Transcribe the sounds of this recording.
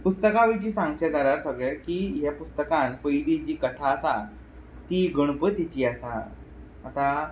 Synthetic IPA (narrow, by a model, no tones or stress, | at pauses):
pust̪əkaʋit͡ɕiːsãŋɡɕed͡zalaɾsəɡɭekiːɦjapust̪əkãnpəjd̪id͡ʑiːkət̪ʰaəsa | t̪iɡəɽ̃pət̪it͡ɕiːəsaː | t̪a